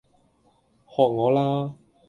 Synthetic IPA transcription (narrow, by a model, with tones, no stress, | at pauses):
hɔː˨˩k̚ŋɔː˨˧laː˥